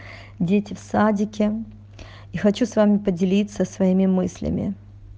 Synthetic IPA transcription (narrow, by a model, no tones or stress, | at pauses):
dʲetʲɪfsadʲɪkʲɪ | ixɐt͡ɕusvamʲɪpədʲɪlʲit̪səsvɐimʲɪmɨsʲlʲɪ̰mʲɪ̰